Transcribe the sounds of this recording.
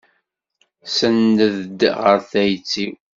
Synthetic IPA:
sənːəðəd̪ʁəɾθæjt͡sːiw

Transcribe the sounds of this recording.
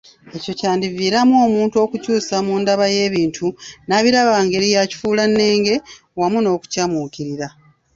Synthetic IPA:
e̞co̞caːndiviːɾamoːmuːntuo̞ːkucuːsamuːndaβaje̞ːβiːntʰunaβiɾaβaːŋɡe̞ɾijaci̥fuːlanːe̞ːŋɡe̞ | wamuno̞ːku̥camuːkiɾiɾa

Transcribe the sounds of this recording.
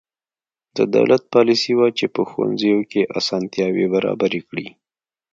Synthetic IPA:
d̪əd̪a̰wlat̪̚pɑlisiwajt͡ʃepəxwa̰nzəjokeʔasɑnt̪jɑwebaɾɑ̰baɾekɽi

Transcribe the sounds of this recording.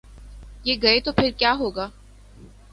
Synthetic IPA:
jeːɡɐet̪opʰɪɾkjaːɦoːɡaː

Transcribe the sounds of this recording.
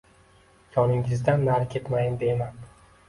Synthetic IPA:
jʰɒnɪŋɪzd̪anːaɾkʲʰe̞t̪majɪnd̪eman

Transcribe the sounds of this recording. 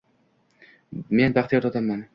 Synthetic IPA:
me̞nbaχt̪ijɒɾt̪ʰɒt̪ʰamːan

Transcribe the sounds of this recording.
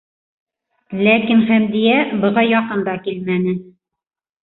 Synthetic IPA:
lækinχæmd̪ijæbɤ̆ʁɑjɒqɤnd̪ɑkilmænɘ

